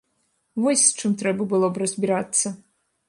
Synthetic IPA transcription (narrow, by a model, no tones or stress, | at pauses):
vɔsʲst͡ʂɨmt̪ɾɛbɐbɨlˠɔbrɐzʲbʲiɾat̪sːɐ